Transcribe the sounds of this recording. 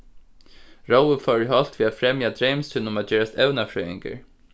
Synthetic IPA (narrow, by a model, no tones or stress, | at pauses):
ɹowəfɔəɦɔl̥t̪ʋiːafɾɛmjad̪ɾemst̪ɪnʊmad͡ʒɛːɹast̪ɛwnafɾœːɪ̰ŋkə̰ɹ